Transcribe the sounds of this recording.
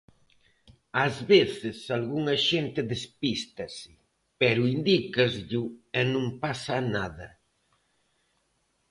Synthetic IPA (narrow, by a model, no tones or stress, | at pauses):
azβeθɪsalɣuŋɐʃent̪ɪðespist̪ɐsɪ̥ | pɛɾʊind̪ikazʎʊɛnõmpasanaðɐ